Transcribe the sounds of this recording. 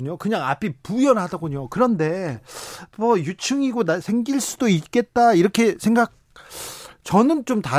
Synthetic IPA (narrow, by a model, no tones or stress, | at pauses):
uɲokɯɲaŋa̰pʰipujʌnɦadaɡoɲokɯɾʌnde̞ | mʌjut͡ɕʰɯŋiɡonasʰe̞ŋɡiɭs͈udoit̚k͈e̞t̚t͈aiɾʌkʰe̞sʰe̞ŋɡak̚ | t͡ɕʌnɯnt͡ɕomta